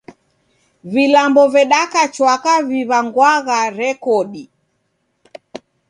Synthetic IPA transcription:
vilambɔvɛɗakat͡ʃwakaviβaŋɡwaɣaɾɛkɔɗi

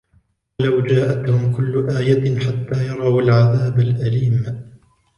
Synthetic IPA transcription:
wlawd͡ʒaːʔat̪hʊmkʊlːʊʔaːjaħat̪ːaːjɑɾˤɑwalʕaðaːbalʔaliːm

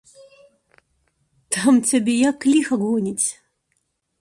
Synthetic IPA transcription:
t̪ʰamtʰʲabʲejakːlʲixɐɡonʲitʲ

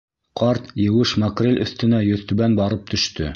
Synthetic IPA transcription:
qʰɑɾt̪jɘ̆wɘʃmɐkrʲelʲɵ̰̆θt̪ɘ̆næjɵ̆θt̪ɵ̆βænbɑɾɤp̚t̪ʰɵ̆ʃt̪ɵ̰

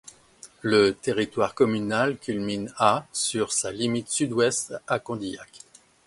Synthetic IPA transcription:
lət̪eʁit̪waʁkɔmynalkʲylminasyʁsalimit̪syd̪wɛst̪akɔ̃d̪ija̰k

